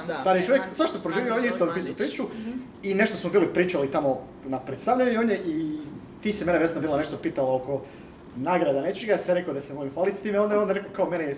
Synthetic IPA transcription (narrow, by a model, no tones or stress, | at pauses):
t̪aɾeʃuʋjeksvaʃt̪opɾoʒiːʋʲiooɲjeist̪opiːsuupɾiːt͡ʃu | ine̞ʃt̪osmobiːlipɾiːt͡ʃalit̪amo | napɾet̪st̪aʋʎaɲoɲeʔi | t̪iːsime̞neʋesnabiːlaneʃt̪opiːt̪alaoko̞ | naːɡɾad̪anet͡ʃeɡasaɾekod̪asenemolimxʋaːlit̪st̪iːmeod̪aond̪ɾekokaomenej